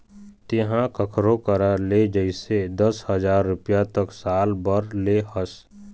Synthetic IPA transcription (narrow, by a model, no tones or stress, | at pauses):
t̪eɦãkəkʰɾõkəɾaled͡ʒəɪsed̪əshəd͡ʒaːɾːʊpjat̪əksaːlbəɾlehəs